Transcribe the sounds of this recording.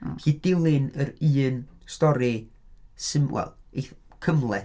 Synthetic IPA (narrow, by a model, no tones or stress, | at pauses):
hiːdɪlˠɪnəɾɨːnstɔɾisɨmwʔɛ̰lˠekʰəmlˠɛ